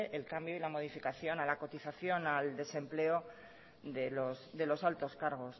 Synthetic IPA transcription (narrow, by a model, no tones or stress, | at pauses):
ʔelkambjoilamo̞ð̞ifikaθjo̞nalako̞t̪iθaθjo̞nald̪e̞sẽ̞mple̞o | ðelosðe̞lo̞salt̪o̞skaɾɣ̞o̞s